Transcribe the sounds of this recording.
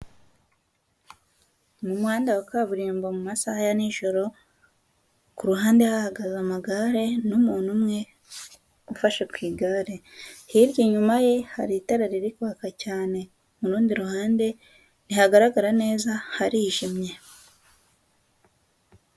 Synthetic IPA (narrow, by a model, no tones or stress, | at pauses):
mumwaːndawakaːβuɾiːmbomumasahajaniːʒo̞ɾo̞ | kuɾuɦaːnde̞hahaɡazamaɡaɾe̞numuːnumŋe̞ | ufaʃakwiːɡaɾe̞hiɾjiɲumaje̞haɾitaɾaɾiɾikuβakacaːne̞ | muɾuːndiɾuhaːnde̞ | nihaɡaɾaɡaɾane̞ːzahaɾiʒimɲe̞